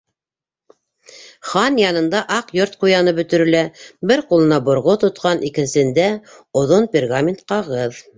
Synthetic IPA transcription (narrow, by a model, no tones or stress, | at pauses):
χɑnjɑnɤ̆nd̪ɑʔɑqjoɾt̪̚qujɑnɤbɵ̆t̪ɵ̆ɾɘ̆læbɘɾqulˠɤ̆nɑbŏɾʁot̪ŏt̪̚qɑnʔikɘ̆nsɘ̆nd̪æ | ŏðonpʲɪrɡamʲɪnt̪̚qɑʁɤð